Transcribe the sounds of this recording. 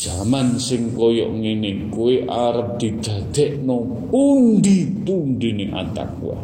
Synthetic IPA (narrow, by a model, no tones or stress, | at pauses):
d̥z̥amansɪŋkɔjɔ̰ʔŋini | kueʔaɾəp̚d̪̥i̤d̪̥ä̤d̪̥ɛʔnɔ | pund̪it̪unɖiniʔa̰t̪a̰k̚ṵa̰